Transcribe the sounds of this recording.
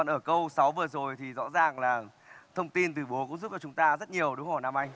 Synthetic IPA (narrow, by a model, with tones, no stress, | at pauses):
ɔ˨˩nʔəː˧˩kə˧wsa˨˦wvɨ˨˩zo˨˩jt̪ʰi˨˩zɔ̰˧˥zaː˨˩ŋlaː˨˩ | t̪ʰə˧wŋ͡mt̪i˧nt̪ɨ˨˩ɓo˨˦kʊ̰˧˥ŋ͡mzu˦˥p̚t͡ɕɔ˧t͡ɕʊ˨˦ŋ͡mt̪aː˧zə˦˥t̚ɲi˨˩əwɗu˨˦ŋ͡mhɔ˧˩jna˧mʔa˧jŋ